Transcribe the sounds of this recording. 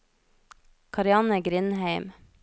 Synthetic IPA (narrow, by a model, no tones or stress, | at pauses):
kʰɑɾɪɑnəɡɾɪnhæɪm